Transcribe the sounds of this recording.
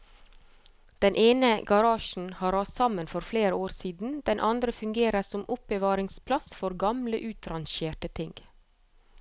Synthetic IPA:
d̪̥ɛnʔeːnəɡɑɾɑːʃn̩hɑːɾɑsɑmənfɔɾfleːɾəoːɾsiːd̪n̩d̪̥ɛnʔɑnd̪ɾəfʉŋɡeːɾəsɔmʔʊpəʋɑːɾɪŋspʰlɑsfɔɾɡɑmlə̰ʔʉːt̪ɾɑnʃeːʈət̪ʰɪŋɡ

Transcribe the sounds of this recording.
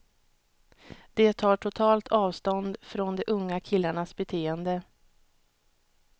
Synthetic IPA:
d̪̥ɛt̪ʰɑːʈʰʊt̪ʰɑːlt̪ʰɑːvst̪ɔnd̪fɾɔnd̪ɛʔɵŋːakʰɪlːaɳasbɛt̪ʰeːənd̪ə

